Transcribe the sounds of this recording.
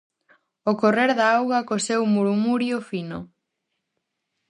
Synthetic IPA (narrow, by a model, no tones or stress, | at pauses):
okoreɾðaawɣɐkosewmuɾmuɾjofino